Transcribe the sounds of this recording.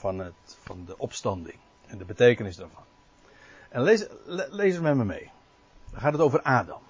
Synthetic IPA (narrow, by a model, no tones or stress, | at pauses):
fɑnətfɑndəʔɔpstɑndɪ̰ŋ | ɛndəbətejkənɪsdɛɹvɑn | ʔɛnlezlejzəmɛməmḛj | əχaːtətowvərʔaːdɑm